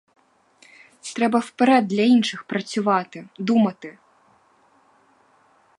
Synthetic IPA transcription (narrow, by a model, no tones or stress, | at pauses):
t̪ɾɛbɐfpɛɾɛd̪ːlʲɐinʂɨxpɾɐt͡sʲuvat̪ɨd̪umɐt̪ɨ